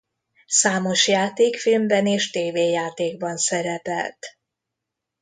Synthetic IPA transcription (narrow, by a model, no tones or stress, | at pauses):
saːmo̞ʃjaːt̪eːkfilmbɛneːʃt̪eːveːjaːt̪eːɡ̚bɒnsɛɾɛpɛ̰lt̪